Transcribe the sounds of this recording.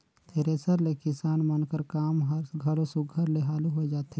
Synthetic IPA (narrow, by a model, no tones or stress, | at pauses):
t̪ʰeːɾeːsəɾlekɪsaːnmənkəɾkaːmɦɾɡʱəɾosʊɡʱəɾleɦaːluɦod͡ʒaːt̪e